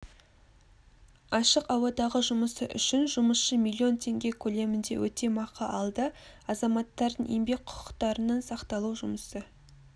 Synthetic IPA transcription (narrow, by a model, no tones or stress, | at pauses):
ɑʃəqɑwɑd̪ɑʁəʒʊməsəʔʏ̰ʃɪnʒʊməsʃəmilʲˠːio̞nt̪ʰe̞ŋɡʲe̞kʲʰɵle̞mɪnd̪e̞̰wɵt̪e̞mɑqʰɑʔɑlˠd̪əɑzɑmɑt̪ːɑɾd̪ənʔḛmbe̞k̚ʲqʰʊ̥qə̥qt̪ɑɾənɑnsɑqt̪ɑlˠuʒʊməsə